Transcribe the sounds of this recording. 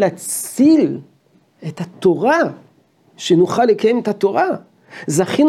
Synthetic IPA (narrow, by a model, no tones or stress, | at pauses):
lat͡sil | et̪at̪o̞ʁa | ʃenuχalːekaje̞met̪at̪o̞ʁa | zaχin